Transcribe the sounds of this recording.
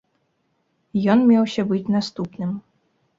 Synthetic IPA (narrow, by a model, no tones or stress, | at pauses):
jɔnmʲɛwsʲɐbɨt͡sʲnast̪upnɨm